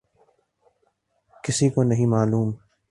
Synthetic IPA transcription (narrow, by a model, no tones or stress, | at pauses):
kɪsikonɐɦĩmaːluːm